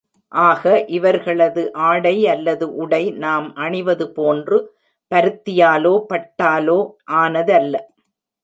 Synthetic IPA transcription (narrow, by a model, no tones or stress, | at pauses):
ʔaːɣɐʔɪʋɐɾɣɐɭɐðɯʔaːɽɐɪɐlːɐðɯʔʊɽɐɪnaːmʔɐɳɪʋɐðɯpoːndrɯ | pɐɾɯt̪ːɪjaːloːpɐʈːaːloːʔaːnɐðɐlːɐ